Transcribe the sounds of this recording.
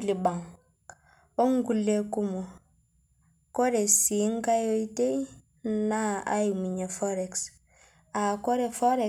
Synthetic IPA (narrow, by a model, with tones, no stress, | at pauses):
li˨ba˨ŋ | o˦ŋɡu˨lːe˨ku˦mo˨ | ko˦ɾe˨si˨˦ŋka˦jo˦i˦te˦i | na˦a̰˦ju˨mi˨ɲe˨fo˦ɾe˨ks | a˨ko˦ɾe˨fo˦ɾe˨